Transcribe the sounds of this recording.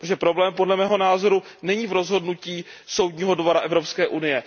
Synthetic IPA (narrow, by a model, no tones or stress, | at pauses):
toʒɛpɾo̞blɛːmpo̞dlɛmɛːɦo̞naːzo̞ɾunɛɲiːvɾo̞zɦo̞dnuciːso̞wdɲiːɦo̞dvo̞ɾaʔɛvɾo̞pskɛːʔunɪjɛ